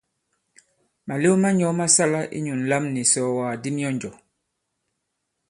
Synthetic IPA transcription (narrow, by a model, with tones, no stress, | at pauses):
ma˨le˦wma˦ɲɔ˨˦ma˦sa˦la˦ʔḭ˦ɲu˨n˨la˦mni˨sɔ˦waː˨di˦mi˦ɔ˦n˨d͡ʒɔ˨